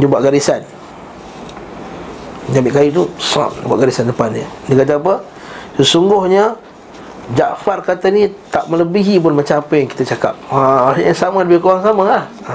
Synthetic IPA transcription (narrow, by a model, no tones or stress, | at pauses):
d͡ʒəbuaʔɡaɾisan | əd͡ʒabɪtʔ̚kajut̪̬usã̰ʔbua̰ʔɡaɾisandəpandiədəkad͡ʒaap̬ə | səsuŋɡʊhɲə | d͡ʒaʔfarkat̪ənit̪aʔmələbiɦipʊnmat͡ʃaapəjaŋki̥t̪ət͡ʃaka̰p̚aɲasamaləbɪhkoɣaŋsamalah